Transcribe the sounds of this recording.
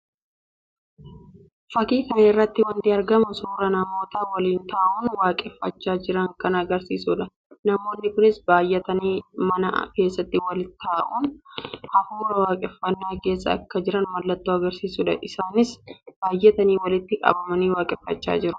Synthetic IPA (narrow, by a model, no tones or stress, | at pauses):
fɐkiːkɐnɪrːɐt̪ːɪwɐnt̪ɪɐɾɡɐmɐsuːɾɐnɐmo̞ːt̪ɐwɐliːnt̪aːʔʊnwaːkʼɛfːɐt͡ʃːaːd͡ʒɪɾɐŋkɐnɐɡɐɾsiːsuᶑɐ | nɐmo̞ːnːɪkʊnɪsbaːjːɛt̪ɐniːmɐnɐ̰ke̞ːsːɐt̪ːɪwɐlt̪ʰaːʔunhɐfuːɾɐwaːkʼɛfːɐnːaːke̞ːsːɐ̰ːkːɐd͡ʒɪɾɐnmɐlːɐt̪ːoːɐɡɐɾsiːsʊːᶑɐ̰ʔɪsaːnɪsb̥aːjːɛt̪ɐniːwɐlɪt̪ːɪkʼɐ̰bɐmɐniːwaːkʼɛfːɐt͡ʃːa̰ːd͡ʒɪɾʊ̥